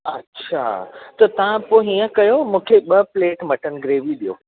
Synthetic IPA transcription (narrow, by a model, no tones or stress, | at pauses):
ɐ̰tːɕʰa̰t̪ɐt̪ɐʋ̤ãpoɦiːə̃kɐjomũːkʰeɓɐpleːʈmɐʈʰənɪ̆ɡɾeːʋiɗijo̰ː